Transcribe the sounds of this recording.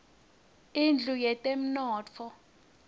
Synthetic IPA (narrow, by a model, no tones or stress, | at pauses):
ind͡ɮʱujɛtʼem̩nɔːt͡fʰɔ